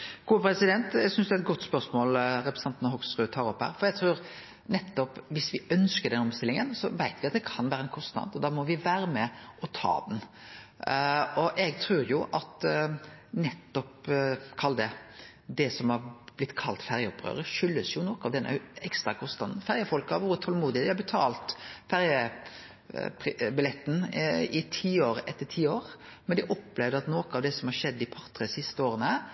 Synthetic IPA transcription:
ɡ̥uːpʰɾɛsɪd̪ɛnt̪jɛɡsʏnsd̪ʉæt̪̚ɡɔt̪ːspœɾsmoːlɾɛpɾɛ̥sɑnt̪nəɦɔɡsɾʁʉːt̪ʰɑːɾɔpːhæ̰ːɾfɔɾjæɡt̪ʰɾuːɾ | nɛt̪ːɔpʋɪsʋɪœnskəd̪ɛnɔmbst̪ɪlɪŋənsɔʋæɪt̪ʋɪɑt̪d̪ɛkʰɑnʋæːɾəɛnkʰɔst̪nɑ̰d̪ɔd̪ɑːmɔʋɪʋæːɾəmɛʔɔt̪ʰɑ̰ːd̪n | ɔʔɛɡt̪ʰɾʉːɾjʊʔɑt̪ | nɛt̪ːɔpkʰɑld̪ɛ | d̪ɛsɔmhɑb̥lɪt̪ːkʰɑlt̪fæɾjəɔpːɾø̰ːɾəʃʏlːəsjʊnɔkəɑʋd̪ɛnːʔə̰ɛkst̪ɾɑkʰɔst̪ɑd̪n̩fæɾjəfɔlkɑʋʊɾət̪ʰɔlmuːd̪ɪəd̪ɪhɑbət̪ʰɑ̰ːlt̪fæɾjə | pbɪlɛt̪ːn̩ɪt̪ʰiːoːɾɛt̪ːəʈʰiːoːɾmɛnd̪ɪʔɔpːleːʋd̪əɾɑt̪noːkəɑʋd̪ɛsɔmhɑɾʂɛd̪ːɪpʰɑɾt̪ɾɛsɪst̪əoːɾənə

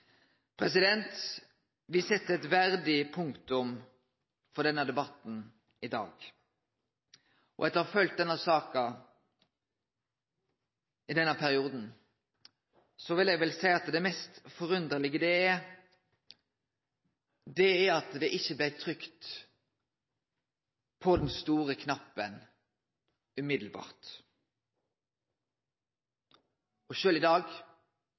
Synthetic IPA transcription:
pʰɾɛs̬ɪd̪ɛnt̪ | ʋɪsɛt̪ːəɛt̪ʋæɾd̪ɪpʰʊŋkt̪ʊm | fɔd̪ɛnːəd̪ɛbɑt̪n̩ | ɪd̪ɑ̰ːɡ | ɔ̰ɛt̪əɑfœlt̪̚d̪ɛnːəsɑːkɑ | ɪd̪ɛnːəpʰæɾɪuːd̪n̩ | sɔʋɪljæʋɛlsæɪɑt̪d̪ɛmɛst̪fɔʁʉnd̪əʁlɪɡəd̪ɛɛ | d̪ɛɛɑt̪d̪ɛʔɪçːəblæt̪ʰʁʏkt̪ | pʰɔd̪ɛnst̪uːʁəkʰnɑpːən | ʉmɪd̪l̩bɑ̰ːʁt̪ | ɔʃøːlɪd̪ɑːɡ

